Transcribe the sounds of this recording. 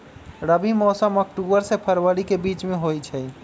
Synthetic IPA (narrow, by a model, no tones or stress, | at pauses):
ɾəbimɔːsəmɔkʈubəɾsepʰəɾwəɽikebit͡ʃmẽɦojt͡ʃʰɛ